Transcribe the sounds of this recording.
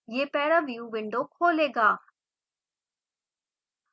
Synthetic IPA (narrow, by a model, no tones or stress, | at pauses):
jeːpɛːɾaʋiũʋɪɳɖokʰoːleːɡaː